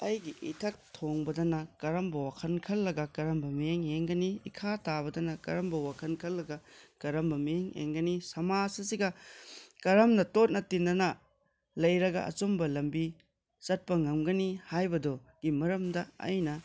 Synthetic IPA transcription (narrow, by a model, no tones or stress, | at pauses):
ɐjɡiʔḭtʰɐk̚tʰoŋbɐdɐnɐkɐɾɐmbɐwakʰɐnkʰɐlːɐɡɐkɐɾɐmbɐmieŋeŋɡɐniḭkʰatabɐdɐnɐkɐ̰ɾɐmbɐwakʰɐnkʰɐlːɐɡɐkɐɾɐmbɐmijeŋḛŋɡɐnisɐmasɐsiɡɐkɐɾɐmnɐtot̚nɐtindɐnɐ | lɐjɾɐɡɐ̰ʔɐ̰t͡ʃombɐlɐmbi | sɐt̚pɐŋɐmɡɐnihajbɐdo | ɡ̥imɐɾɐmdɐɐ̰jnɐ